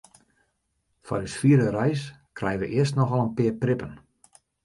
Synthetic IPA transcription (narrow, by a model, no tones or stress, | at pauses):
fa̰rysfiəɾərɛjskrɛjəʋəʔɪəstnɔxɔlˠənpɪərprɪpən